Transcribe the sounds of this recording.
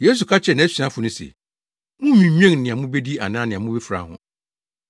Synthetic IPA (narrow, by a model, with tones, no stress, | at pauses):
je˦s̬u˨kʰa˦t͡ɕʰɛ˨nã˨æ˦ɕᶣi˨ã˦fʊ˨nʊ̃˦sḛ˨ | mʊ̃˦mĩ˨˦ɲᶣ˦ɛ̃˦˨ŋ˨nɪ̃˨a˨mʊ̃˦be˦di˦a̰˨nãː˦nɪ̃˨a˨mʊ̃˦bɛ˦fɾa̰˨hʊ̰̃˦